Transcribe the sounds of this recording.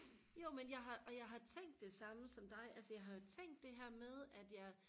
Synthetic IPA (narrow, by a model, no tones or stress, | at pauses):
jomenjɑ̈ɪɦɑ̈ʔɒ̽jɑ̈ɪɦɑ̈t͡sʰeŋ̰d̥ːe̝sɑ̈məsɒ̽md̥ɑ̈ɪʔælsəjɑ̈ɪɦɑ̈jo̝t͡sʰeŋ̰d̥ːe̝ɦæɐ̰með̞ˠæd̥jɑ̈ɪ